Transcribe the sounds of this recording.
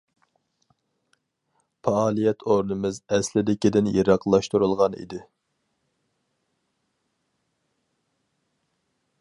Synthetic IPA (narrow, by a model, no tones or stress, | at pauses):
pʰɑɑːlˠijɛt̪ʰoɾnɨmɨzɛslɪd̪ɪkʲid̪ɪnjeɾɑqlˠɑʃt̪uɾulˠʁɑnḭd̪ɪ